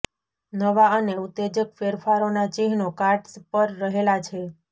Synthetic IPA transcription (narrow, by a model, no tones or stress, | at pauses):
nəʋaəneut̪ːed͡ʒəkfeɾfaɾonat͡ʃeɦnokaɾʈspəɾːəɦelat͡ʃʰe